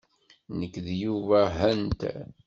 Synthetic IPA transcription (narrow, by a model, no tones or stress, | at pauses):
nəkːðjuvæɦənt̪